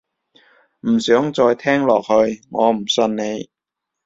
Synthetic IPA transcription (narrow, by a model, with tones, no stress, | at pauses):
m̩˨˩sœː˨˥ŋt͡sɔː˧jt̪ʰɛː˥ŋlɔː˨˩k̚hɵ˧ɥŋɔː˨˧m̩˨˩sɵ˧nne˨˧j